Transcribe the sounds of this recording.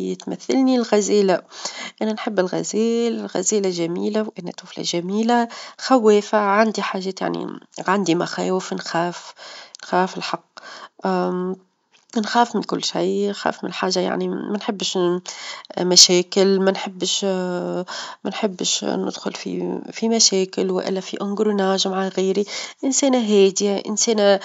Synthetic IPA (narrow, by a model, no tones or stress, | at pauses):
t̪mæθːalnilɣæzɛːlaʔænænħɪbːɪlɣæ̰zɛːlɪlɣæ̰zɛːlaʒæmiːlawʔænæ̰t̪uːfla̰ʒæmiːlaxawːɛːfaʕand̪iħaːʒːɛːt̪ja̰ʕnḭʕand̪imaxɛ̰ːwɪfnxæːfnxæːfɪlħɑqː | nxæːfmɪnkʊlːʃajnxæ̰ːfmɪnlħaːʒːaja̰ʕnimænħɪbːʃ | mæʃɛːkɪlmænħɪbːʃ | mænħɪbːʃnɪ̰d̪̥xʊlfḭfimæʃɛːkɪlwɪ̰ʔɪ̰lːæfiʔʊŋɡɾunaːʒmaʕaɣiːɾiʔɪnsɛːnaɦɛːd̪ɪaʔɪ̰nsɛːna